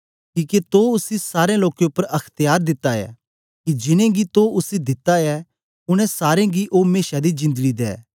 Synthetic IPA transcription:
kiːket̪oʊsisaːɾẽloːkeʊpːəɾɐkʰt̪ɪjaːɾd̪ɪt̪ːaɛ̰ | kid͡ʒɪnẽɡit̪oʊsid̪ɪt̪ːaɛ | ʊñɛ̃saːɾẽɡiʔoːmeːʃad̪id͡ʒɪ̃nd̪əɡid̪ɛ̰ː

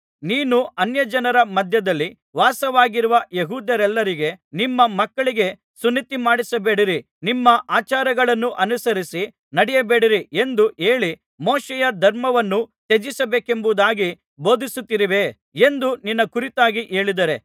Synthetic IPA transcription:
niːnuɐnjɐd͡ʒɐnɐɾɐmɐd̪ʱjɐd̪ɐlːi | ʋaːsɐʋaːɡiɾuʋɐjeɦuːd̪jɐɾɛlːɐɾiɡe̞nimːɐmɐkːɐɭiɡe̞ | sunːit̪imaːɽisɐbeːɽiɾi | nimːɐʔaːt͡ʃaːɾɐɡɐɭɐnːuʔɐnusɐɾisi | nɐɽɛjɐbe̞ːɽiɾie̞nd̪uʔeːɭi | moːʃɛjɐd̪ʱɐɾmɐʋɐnːut̪ed͡ʒisɐbeːkembud̪aːɡi | bo̞ːd̪ʱisut̪ːiɾiʋe̞ː | end̪uninːɐkuɾit̪aːɡiʔe̞ːɭid̪ɐɾe

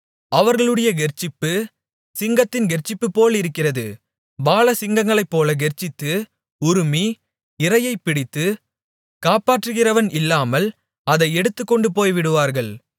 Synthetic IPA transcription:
ɐʋɐɾɣɐɭɯɽɐjɐɡɛrt͡ʃːɪpːɯ | sɪŋɡɐt̪ːɪnɡɛɾt͡ʃːɪpːɯpːoːlɪɾɯkːɪrɐðɯ̰ | baːlɐsɪŋɡɐŋɡɐɭɐɪpːoːlɐɡɛɾt͡ʃːɪt̪ːɯ | ʊɾɯmi | ɪrɐjɐɪpːɪɽɪt̪ːɯ | kaːpaːʈrɯɣɪrɐʋɐnʔɪlːaːmɐl | ɐðɐɪɛɽɯt̪ːɯkːɔɳɖɯpoːjʋɪɽɯʋaːɾɣɐɭ

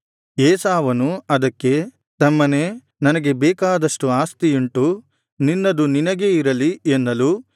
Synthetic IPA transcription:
eːsaːʋɐnuɐd̪ɐkːe̞ | t̪ɐmːɐne̞ː | nɐnɐɡe̞bɛːkaːd̪ɐʂʈuaːst̪ijuɳʈu | ninːɐd̪uninɐɡe̞iɾɐlienːɐlu

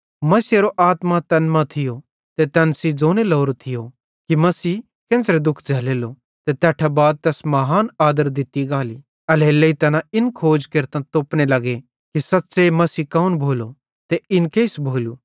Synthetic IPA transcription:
mɐseɾoʔaːt̪mãt̪ɐnmãt̪ʰɪjo | t̪et̪ɛnsid͡zoːnelɔːɾot̪ʰɪjo | kimɐsiː | kẽːnsɾed̪ʊkʰd͡zʱɐːleːlo | t̪et̪ɛːʈʰabaːd̪̚t̪ɛːsmɐɦaːnaːd̪əɾd̪ɪt̪iɡaːli | ɐlelɐit̪ɐnãɪnkʰoːd͡ʒkeɾt̪ɐ̃t̪oːpnelɐɡe | kisɐtːsemɐsiːkaːunbʱoːlo | t̪eɪnkeːɪsbʱoːluː

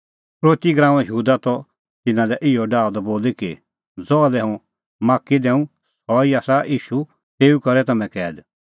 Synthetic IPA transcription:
pɾoːt̪iɡɾãːũɛ̃jɦuːd̪at̪ɔ | t̪ɪnãlɛʔɪɔɖaːɔd̪ɔboːliki | d͡zɔːalɛɦũ | maːkːid̪ɛ̃ːũ | sɔiaːsaiːʃu | t̪eːukɐɾɛt̪ɐmɛ̃kɛːd̪

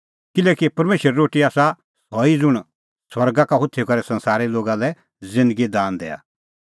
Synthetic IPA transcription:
kɪlɛːkipɐɾmeːʃəɾɛːoːʈiaːsa | sɔid͡zʊɽ̃ | swɐɾɡakaɦʊt̪ʰːekɐɾɛsɐ̃nsaːɾiloːɡalɛ | zɪ̃nd̪əɡid̪aːnd̪ɛ̰ːa̰

